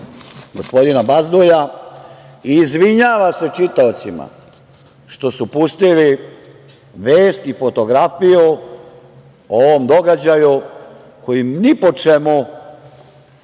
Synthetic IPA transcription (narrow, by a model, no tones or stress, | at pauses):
ɡo̞spo̞d̪inabazd̪uja | iːzʋiɲaːʋase̞t͡ʃit̪aot̪sima̰ | ʃt̪o̞supust̪ili | ʋeːst̪ifo̞t̪o̞ɡɾafiju | oʋomd̪o̞ɡad͡ʑaju | ko̞jimnipo̞t͡ʃemu